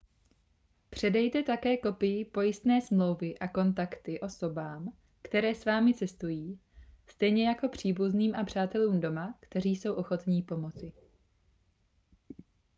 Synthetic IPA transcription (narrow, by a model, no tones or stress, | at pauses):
pr̝̥ɛdɛjt̪ɛt̪akɛːko̞pɪjɪpo̞jɪst̪nɛːsmlo̞wvɪʔako̞nt̪akt̪ɪʔo̞so̞baːm | kt̪ɛɾɛːsvaːmɪt͡sɛst̪ujiːst̪ɛjɲɛjako̞pr̝̥iːbuzniːmʔapr̝̥aːt̪ɛluːmdo̞makt̪ɛriːso̞wʔo̞xo̞t̪ɲiːpo̞mo̞t͡sɪ